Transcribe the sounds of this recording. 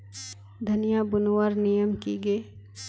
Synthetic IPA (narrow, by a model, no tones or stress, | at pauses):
d̪ʱɐnijabʊnwaːɾnijəmkiɡəː